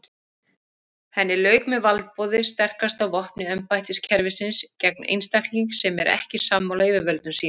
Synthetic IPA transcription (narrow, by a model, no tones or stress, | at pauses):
hɛnːɪlœːɥkmɛðvalt̪̚pɔːðɪst̪ɛr̥kast̪awvɔhpnɪɛmpajt̪ɪscʰɛɾvɪsɪnscɛk̚nḛjnst̪ɛkliŋksɛmɛ̰ɾɛ̰hcɪsamːawlaivɪɾvœlt̪nʏmsiːn